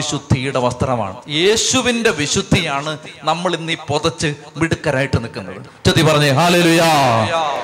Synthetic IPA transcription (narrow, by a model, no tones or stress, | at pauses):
iɕud̪ʱːijuɽe̞ʋɐst̪ɐɾɐma̰ːɳɨ̰je̞ːɕuʋinde̞ʋiɕud̪ʱːijaːɳɨnɐmːɐɭinːipoðɐt͡ɕːɨ | ʋiɽukːɐɾaːjiʈːɨnikːunːɐ̰ðɨ̰ | t͡ɕɐt̪ːipɐrɐɲːɨɦaːleːluːja